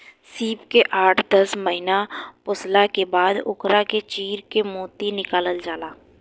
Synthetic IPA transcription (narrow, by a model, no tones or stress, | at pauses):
siːpkeʔaːʈʰd̪əsməɦɪnapʊslakebaːd̪ʊ̰kɾaket͡ʃiːɾkemoːt̪inɪkaːləld͡ʒaːlaː